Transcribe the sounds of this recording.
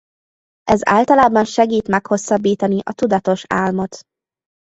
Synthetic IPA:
ʔɛza̰ːlt̪ɒlaːbɒnʃɛɡiːt̪mɛkho̞sːɒbːiːt̪ɒniʔɒt̪ud̪ɒt̪o̞ʃa̰ːlmo̞t̪

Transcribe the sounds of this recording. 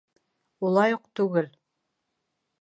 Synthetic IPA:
ulˠɑjuqt̪ʉɡɘl

